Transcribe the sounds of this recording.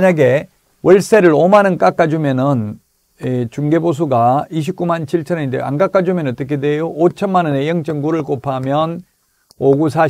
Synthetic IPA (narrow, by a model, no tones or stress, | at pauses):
ɲaɡe̞ | wʌɭs͈eɾɯɭomanɯnk͈ak͈ad͡ʑumjʌnɯn | et͡ɕuŋɡe̞bos̬ʰuɡaiɕ̬ʰip̚k͈umant͡ɕʰiɭt͡ɕʰʌnendej̰a̰nkak͈ad͡ʑumjʌnʌt͈ɯkʰedwejoʔot͡ɕʰʌnmanʌne̞jʌŋt͡ɕ͈ɯŋɡuɾɯɭk͈opʰamjʌn | oɡus̬ʰa